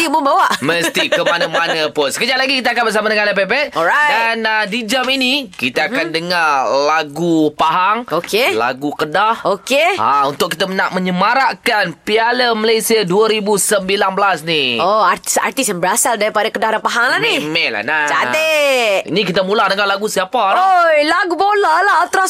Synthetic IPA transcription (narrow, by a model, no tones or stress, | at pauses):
imʊbawaʔməst̪ikəmanəmannapʊnsə̥kəd͡ʒaʔ̪laɡikit̪̬akanbəsamadəŋanlɛpɛpɛʔ̪̚ɔɾadanadid͡ʒaminikit̪aːkandəŋarlaɡupaɦaŋokela̰ɡukədahokeaunt̪ʊkit̪amənaʔmə̃ɲəmaɾaʔkanpialəməlajsiaduəɾibusəmbilanbəlasnioat̪isa̰rt̪isnbəɾasaldaɾipadakədahdanpaɦaŋlanimɛla̰hnat͡ʃat̪eḭnikit̪amulahdəŋalaɡusiapaojlaɡubolalaɦɔlt̪ɾa